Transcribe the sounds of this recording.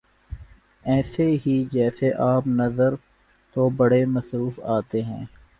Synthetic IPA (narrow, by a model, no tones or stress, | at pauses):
ɛːseɦid͡ʒɛːseʔaːpnɐzəɾ | t̪obɐɽemɐsɾuːfaːt̪eɦɛ̰̃ː